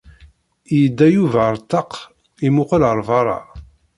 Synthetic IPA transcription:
jəd̪ːæjuvæɾˤt̪ːɑq | imʊqələɾˤvɑɾˤɑ̰

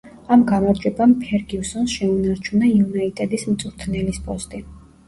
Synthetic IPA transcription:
amɡamaɾd͡ʒwɛbampʰɛɾɡiusɔnsʃɛunaɾt͡ʃʰunaiunait̪ʼɛd̪ismt̪sʼuɾt̪ʰnɛlispʼɔst̪ʼi

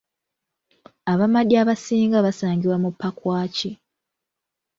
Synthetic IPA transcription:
aβamadjaːβasiːŋɡaβasaːŋɡiwamupːakwaːci

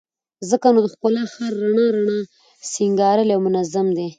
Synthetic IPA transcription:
zəkanod̪əxkʊlɑxaɾːaɳɑɾaɳɑ | siŋɡɑɾəljawmʊnazamd̪e

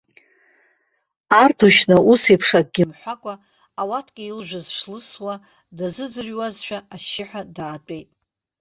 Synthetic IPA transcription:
artʰuʃnaʔusipʰʂak̚ʼɡ̥ʲɪmħʷakʷʼaː | watʰɡʲʼɪilʒᶣʷazʂlɨswa | dazɨzɨrwazʃᶣaaʃɪħʷᶣadaːtʷʼe̞jtʼ

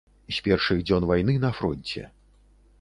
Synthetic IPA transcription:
sʲpʲɛrʂɨɣd͡zʲɔnvajnɨnɐfɾɔnʲt͡sʲɛ̰

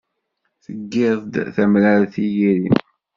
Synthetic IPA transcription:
θəɡːeðˤd̪θæmlæɾθijiɾim

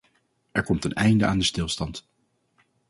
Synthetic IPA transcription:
ɛɹkɔmtənɛjndəʔaːndəstɪlˠstɑnt

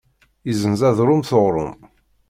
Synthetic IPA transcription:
izənzæðɾʊmθoʁɾˤʊ̰m

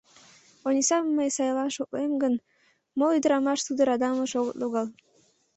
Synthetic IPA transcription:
onʲisɑmːəjsɑjlɑnʃoklemɡən | molyd̪əɾɑmɑʃt̪ud̪əɾɑd̪ɑməʃoɣət̪loɣɑl

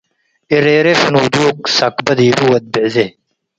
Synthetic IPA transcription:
iɾeːɾefnuːd̪uːksakbɐd̪iːɾuːɐt̪̚bezeː

